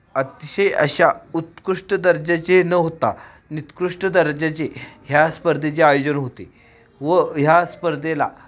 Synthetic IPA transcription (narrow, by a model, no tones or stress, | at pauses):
ət̪iɕəjə̰ɕaut̪kɾuʂʈəd̪əɾd͡ʑat͡senəɦot̪a̰ | nit̪kɾuʂʈəd̪əɾd͡ʑat͡seɦjaspəɾd̪ʱet͡seajod͡ʑənɦot̪e | ʋəɦjaspəɾd̪ʱela̰